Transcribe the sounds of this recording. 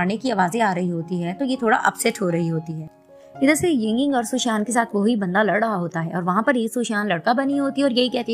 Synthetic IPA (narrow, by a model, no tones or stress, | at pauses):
aːnekiaːʋaːzẽaːɾɐɦiɦoːt̪iɦɛːt̪ojet̪ʰoːɽa̰ʔɐ̰psɛʈɦoɾɐɦiɦoːt̪iɦɛː | ɪd̪əɾsejɐ̃ŋɡɪ̃ŋɡɔːɾsuːʃaːnkesaːt̪ʰʋoɦibɐ̃nd̪alɐɽɽɐɦaɦoːt̪aɦɛːɔːɾʋɐɦãpɐɾeːksuʃaːnlɐɽkabɐniɦoːt̪iɔːɾjɐɦikɛɦt̪ẽ